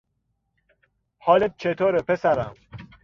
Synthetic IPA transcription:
hɒːlet̪̚t͡ʃʰet̪ʰoːɾepʰesæɾæm

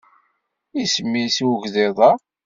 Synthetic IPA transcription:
isəmːisiwʝðeðˤɑ

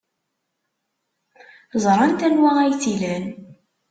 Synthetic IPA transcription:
zˤɾˤɑnt̪ænwæʁæjt͡silæn

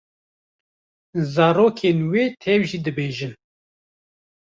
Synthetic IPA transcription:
zɑːɾoːkʰeːnweːt̪ʰɛwʒid̪ɨbeːʒɨn

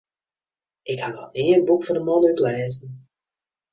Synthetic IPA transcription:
ʔɪkhanɔ̰tniːnbukfɔdəmɔnyklɛːzən̩

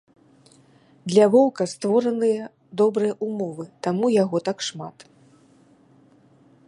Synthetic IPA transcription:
d̪lʲɐvɔwkɐst̪vɔɾɐnɨjɐ | d̪ɔbɾɨjɐʔumɔvɨt̪amujaɣɔt̪akʂmat̪

